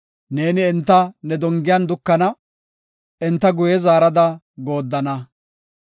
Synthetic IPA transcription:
ne̞ːnɪːnt̪ːɐnɛd̪ɔŋɡɪjɐnd̪ʊkːɐnɐ | ɛnt̪ːɐɡʊjɛzaːɾɐd̪ɐ | ɡo̞ːd̪ːɐnɐ

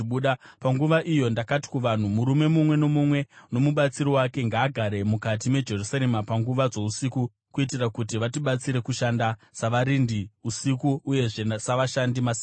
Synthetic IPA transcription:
uɗapaŋɡuʋaʔijo̞ndakati̥kuʋan̤umuɾume̞mumwe̞no̞mumwe̞no̞muɓat͡siɾiwake̞ŋɡaːɡʱaɾe̞mukat̬ime̞d͡ʒe̞rusaɾemapaŋɡuʋad͡zo̞usiku | kuit̬irakutiʋatiɓat͡siɾe̞kuʃandasaʋaɾindiusikuːje̞ʐe̞saʋaʃandimasi

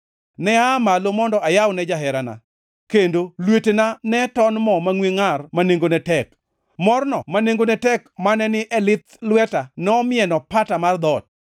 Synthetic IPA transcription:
nɛamalomɔndɔajawnɛd͡ʒaɦɛɾana̰ | kendolwetenanɛtɔnmɔmaŋweŋarmaneŋɡonɛtɛk | mɔrnɔmaneŋɡonɛtɛkmanɛnɪʔɛlɪt̪lwɛtanɛɔmɪɛnɔpatamard̪ɔt̚

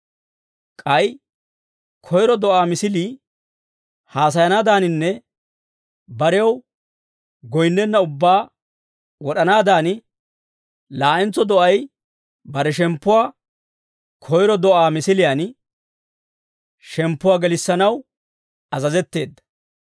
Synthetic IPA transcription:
kʼɐj | kʰɔjɾɔd̪ɔʔaːmɪsɪliː | haːs̬ɐjɐnaːd̪aːnɪnːɛ | bɐɾɛw | ɡɔjnːɛnːɐʊbːaː | wɔɗɐnaːd̪aːnɪ | laːʔɛnt͡sːɔd̪ɔʔɐj | bɐɾɛʃ̬ɛmpːʊwaː | kʰɔjɾɔd̪ɔʔaːmɪsɪlɪjan | ʃɛmpːʊwaːɡɛlɪsːɐnɐw | ɐzɐzɛt̪ːe̞ːd̪ːɐ̥

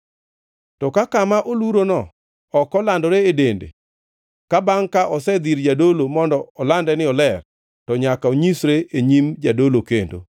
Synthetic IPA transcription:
tɔkakamaʔoluɾonɔ | ɔkɔlandoɾeedendḛ | kabaŋkaʔɔsɛd̪iɾd͡ʒadolomɔndɔɔlandɛnɪɔlɛr | tɔɲakaoɲisɾeeɲimd͡ʒadolokendo̰

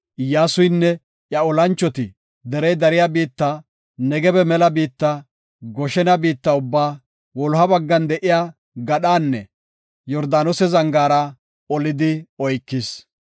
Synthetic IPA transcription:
jaːsʊjnːɛ | ʔjɐɔlɐnt͡ʃːɔt̪ɪ | d̪ɛɾɛjd̪ɐɾɪjabiːt̪ːa | nɛɡɛbɛmɛlɐbiːt̪ːɐ | ɡɔʃɛnɐbiːt̪ːɐʊbːaː | wɔlɦɐbɐɡːɐnd̪ɛʔɪjaː | ɡɐɗaːnːɛ | jɔɾd̪aːnɔsɛzɐŋɡaːɾɐ | ɔlɪd̪ɪɔjkːɪs

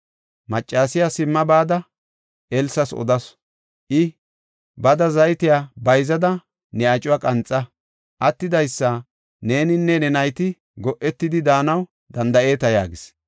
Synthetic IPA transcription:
mɐt͡ʃʼːaːsɪjasɪmːɐbaːd̪ɐ | ɛlsɐsɔ̰d̪ɐs | ʔɪ | bɐd̪ɐzɐjt̪ɪjaːbɐjzɐd̪ɐ | nɛɐt͡ʃʼʊwɐkʼɐnt͡sʼːɐ | ʔɐt̪ːɪd̪ɐjsːɐ | ne̞ːnɪnːɛnɛnɐjt̪ɪ | ɡɔʔɛt̪ːɪd̪ɪd̪aːnɐw | d̪ɐnd̪ɐe̞ːt̪ɐja̰ːɡɪs

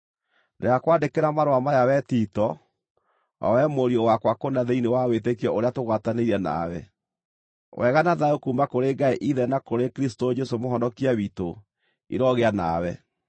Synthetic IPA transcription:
nḛakwandekeɾamaɾowamajawɛtitɔ | a̰wɛmoɾiɔwakwakonaðeinewawetekiɔoɾeatoɣwataneiɾɛna̰wɛ̰ | wʔɛɣanaðaokuːmbakoɾeɡaeʔiðɛnakoɾekɾistod͡ʒesomoɦɔndɔkiaβito | ḭɾɔɣeana̰wɛ

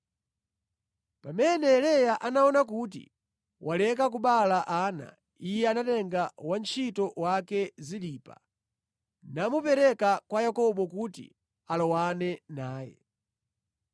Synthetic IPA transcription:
pamɛnɛlɛjaʔanaɔnak̬ut̬ḭ | wʔalɛk̬ak̬uɓalaʔaːna̰ | ijɛanatɛŋɡawant͡ʃʰitɔwakɛziliːpa̰ | namupɛɾɛkakwajakɔɓɔkutḭ | alɔwanɛnaːjɛ̰

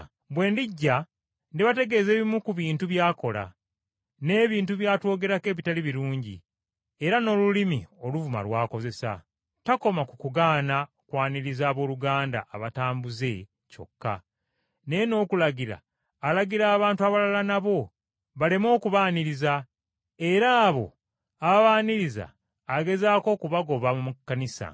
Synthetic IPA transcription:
bwe̞ːndiɟːa | ndiβate̞ɡe̞ːze̞ːβimukuβiːntuβjaːko̞la̰ | ne̞ːβiːntuβjaːtwo̞ːɡe̞ɾake̞ːβitaliβiɾuːɲɟḭ | eɾano̞ːlulimio̞luvuma̰lwaːko̞ze̞sa̰ | tako̞makukuɡaːna | kwaːniɾizaːβo̞ːluɡaːnda̰ʔːβataːmbuze̞ | co̞̰kːa̰ | nejeno̞ːkulaɡiɾa̰ː | laɡiɾaːβaːntuaβalalanaβo̞ | βale̞mo̞ːkuβaːniɾiza | e̞ɾaːβo̞̰ | aβaβaːniɾiza̰ː | ɡe̞zaːko̞ːkuβaɡo̞βamumukːanisa̰

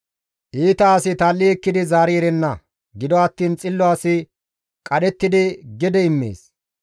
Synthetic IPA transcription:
ʔiːt̪ɐːsɪt̪aːlːiɛkːɪd̪ɪzaːɾiːɾɛnːɐ | ɡɪd̪ɔɐt̪ːiːnt͡sʼɪlːɔasɪ | kʼɐɗɛt̪ːɪd̪ɪɡɛd̪ɛɪmːḛːs

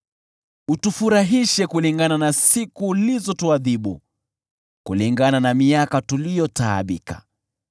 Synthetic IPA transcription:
utufuɾaɦiʃɛkuliŋɡananasikulizɔtuaðiɓṵ | kuliŋɡananamiakatulijɔtaːɓika̰

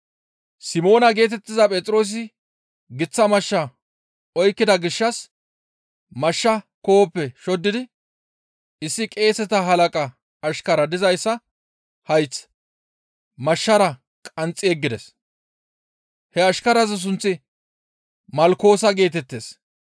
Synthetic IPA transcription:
sɪmo̞ːnɐɡe̞ːt̪ɛt̪ːɪzɐpʼɛt͡sʼɾo̞ːs̬ɪ | ɡɪt͡sːɐmɐʃːɐ | ɔjkːɪd̪ɐɡɪʃːɐs | mɐʃːɐko̞ːpːɛʃɔd̪ːɪd̪ɪ | ɪsːɪkʼe̞ːsɛt̪ɐɦɐlɐkʼɐː | ʃkɐɾɐd̪ɪzɐjsːɐ | hɐjt͡s | mɐʃːɐɾɐ | kʼɐnt͡sʼːɪɛɡːɪd̪ɛs | hɛɐʃkɐɾɐzɛs̬ʊnt͡sːɪ | mɐlko̞ːsɐɡe̞ːt̪ɛt̪ːeːs

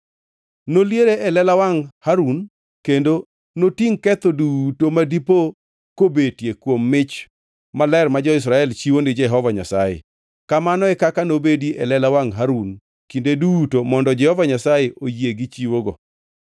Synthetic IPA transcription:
noljeɾeʔɛlɛlawaŋhaɾun | kendo | notiŋkɛt̪odutomadipo | kobetjekwomːɪt͡ʃ | malɛrmad͡ʒɔɪs̬ɾaɛlt͡ʃiwondɪd͡ʒɛɦɔvaɲa̰sajḛ | kamanɔɛkakanobediʔɛ̰lɛlawaŋɦaɾun | kindedutomɔndɔd͡ʒɛhɔvaɲasajeʔojeɡit͡ʃiwoɡɔ

